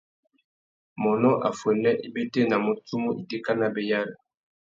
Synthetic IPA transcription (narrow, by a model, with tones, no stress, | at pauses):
mɔ˨nɔ˦ʔa˨fwɛ˨nɛ˦ʔi˦be˦te˦na˨mo˨tu˦mo˦ʔi˨de˦ka˦na˦be˨ja˦la˨